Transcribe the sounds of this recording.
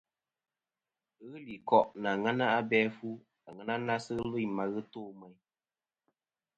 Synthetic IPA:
ɣɨ˦li˨kɔ˦ʔna˨ŋa˦na˦a˦bɛ˦fu˦ | a˨ŋa˦na˦na˦sɨ˦ɣlɨ˦jma˨ɣɨ˦toː˦˨mə˨j

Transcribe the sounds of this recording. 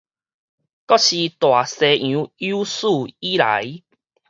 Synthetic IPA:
kɔ˦ɕi˧t̪wa˨˩se˨˧ʔũ˨˧˦ju˦su˥˧i˦la̰˨˦j

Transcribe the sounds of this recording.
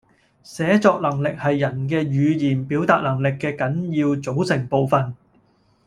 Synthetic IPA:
sɛː˨˥t͡sɔː˧k̚lɐ˨˩ŋlɪ˨k̚hɐ˨jːɐ˨˩nkɛː˧jyː˨˧jiː˨˩npiː˨˥wt̪aː˧t̚lɐ˨˩ŋlɪ˨kːɛː˧kɐ˨˥njiː˧wt͡so˨˥wsɪ˨˩ŋpo˨wfɐ˨n

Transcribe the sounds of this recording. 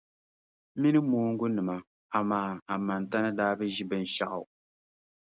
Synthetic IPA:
mi˦nɨ˦moː˦ŋ̩˦ɡʊ˦nɨ˨ma˨ | a˨maː˨˦a˨ma˨n˨ta˦nɨ˦daː˦bɨ˦ʒi˦bɨ˦n˨ʃa̰˦ʔa̰˨

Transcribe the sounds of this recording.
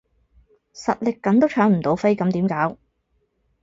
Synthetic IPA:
sɐ̰˨t̚lɪ˨kːɐ˨˥nt̪o˥wt͡ʃʰœː˨˥ŋm̩˨˩t̪o˨˥wfe˥jkɐ˨˧˥mt̪iː˨˥mkaː˨˥w

